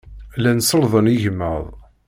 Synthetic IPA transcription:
lænsəlðˤəniʝəmːə̰ðˤ

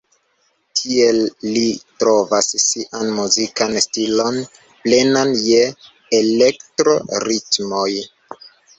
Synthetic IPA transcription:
tʰie̞lːitɾo̞vassiʔanmuzikanstilo̞n | plenanjeː | le̞ktɾo̞ɾitmo̞j

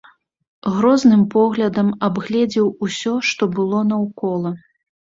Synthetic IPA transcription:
ɣɾɔznɨmpɔɣlʲɐd̪ɐmabɣlʲɛd͡zʲɛwusʲɔʂt̪ɔbɨlˠɔnɐwkɔlˠɐ

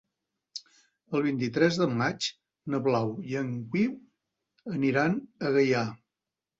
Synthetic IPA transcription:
əlˠβ̞int̪it̪ɾɛzðəmat͡ʃ | nəβlawjəŋkwiw | əniɾanəɣəja

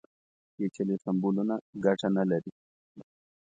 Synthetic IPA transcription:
ket͡ʃelisɐmbulunaɡaʈanalɐɾi

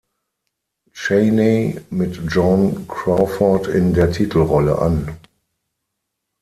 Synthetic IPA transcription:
t͡ʃeɪnemɪtd͡ʒɔ̃nkɹafɔtɪndeːɐtʰiːtʰl̩ʁɔlə̰ʔa̰n

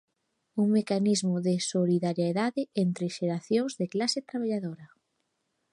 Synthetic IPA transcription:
uŋmekanizmʊðɪsoliðaɾjaeðaðɪent̪ɾeʃeɾaθjoŋzðeklaset̪ɾaβaʎaðoɾɐ

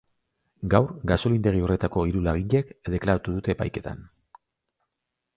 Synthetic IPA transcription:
ɡawɾɡaso̞lind̪e̞ɣ̞io̞re̞t̪ako̞iɾulaɣiʎe̞kd̪e̞klaɾat̪uðut̪e̞ːpajke̞t̪ʰa̰n

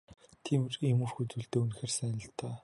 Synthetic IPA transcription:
t̪ʰiːm̆remuːrxut͡suːɮt̪eːunxeːrsæːnə̆ɬt̪ʰaː

